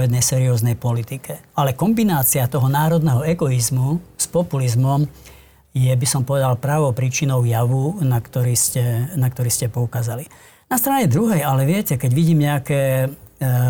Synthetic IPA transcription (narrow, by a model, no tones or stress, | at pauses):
ɛd̪nɛjsɛːɾiɔːznɛjpɔlit̪ikɛalɛkɔmbinaːt͡siat̪ɔɦɔnaːɾɔd̪nɛɦɔɛɡɔizmuspɔpulizmɔm | jɛbisɔmpɔʋɛd̪alpɾaːʋɔʊpɾiːt͡ʃinɔʊjaʋunakt̪ɔɾiːscɛnakt̪ɔɾiːscɛpɔukaːzali | nast̪ɾaɲɛd̪ɾuɦɛjalɛʋɪɛcɛkɛɟʋiɟiːmɲɛakɛː